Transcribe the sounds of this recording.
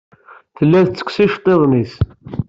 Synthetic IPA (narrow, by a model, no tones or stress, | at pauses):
θəlːæðt͡sːə̥kʷːsiʃt̪ˤeðˤnis